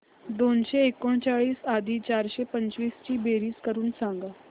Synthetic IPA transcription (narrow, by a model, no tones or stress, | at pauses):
d̪onɕeːkoɳt͡ɕaɭiːsad̪ʱiːt͡ɕaɾɕepəɲt͡ɕʋiːst͡ɕiːbeɾiːskəɾuːnsãŋɡa